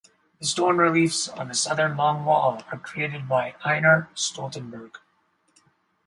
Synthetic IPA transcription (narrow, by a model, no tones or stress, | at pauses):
ðɨstɔ̃ɹnɹɪlifsn̩ɨsʌðə̃˞nlɔ̃ŋwɔlˠə˞kʰɹ̥ieɪɾɨd̚baɪãɪ̃nə˞stɔlˠtə̃nbə˞ɡ̥